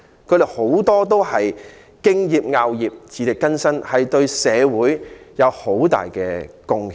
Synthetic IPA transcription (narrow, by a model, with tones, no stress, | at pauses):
kʰɵ˨˧ɥɾe˨ho˨˥wt̪ɔː˥t̪̬o˥whɐ˨j | kɪ˥ŋjiː˨p̚ŋaː˧wjiː˨p̚t͡sʰiː˨˧t̪ɪ˨kːɐ˥nsɐ˥nhɐ˨jt̪ɵ˧ɥsɛː˨˧wuː˨˥jjɐ˨˧who˨˥wt̪a̰ː˨jkɛː˧kʊ˧ŋ